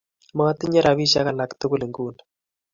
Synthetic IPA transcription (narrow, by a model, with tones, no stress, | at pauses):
ma˦t̪ɪ˦ɲɛ˦ɾa˨βi˦ʃa˦ka˨la˨kt̪u˦ku˦le˨ŋɡu˦nḁ